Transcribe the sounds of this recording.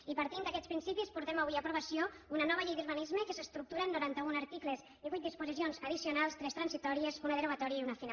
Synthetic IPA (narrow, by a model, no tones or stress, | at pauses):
ipəɾt̪ind̪əkɛt̪t͡sspɾinsipispuɾt̪ɛmaβuiapɾuβəsjo | unənɔβəʎejðyɾβanizməkəsəst̪ɾuk̚t̪uɾəːnːuɾant̪əunaɾt̪ikləz | iβuit̪̚d̪ispuzisionzəð̞isiunalˠst̪ɾɛst̪ɾənsit̪ɔɾiezunəðəɾuβat̪ɔɾiəiunəfina